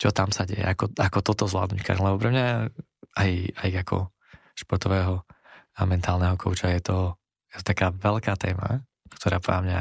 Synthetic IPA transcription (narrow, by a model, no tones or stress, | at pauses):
t͡ʃɔt̪amsaɟɛ̰jɛ̰akɔakɔt̪ɔt̪ɔzʋla̰ːd̪nuckʰa̰ɾlɛbɔpɾɛmɲa | ajajakʰɔ̰ | ʃpɔɾt̪ɔʋɛːɦɔ | amɛnt̪aːlˠnɛɦɔkʰɔʊt͡ʃajɛt̪ɔ | jɛt̪ɔ̥t̪akaːʋɛlkaːt̪ɛ̰ːma̰ | kt̪ɔɾaːpamɲa̰